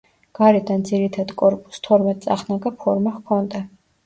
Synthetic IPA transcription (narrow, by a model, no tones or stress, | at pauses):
ɡ̥aɾɛd̪and̪ziɾit̪ʰad̪kʼɔɾpʼu̥st̪ʰɔɾmɛt̪ʼsʼa̰χnaɡapʰɔɾmaχkʰɔnd̪a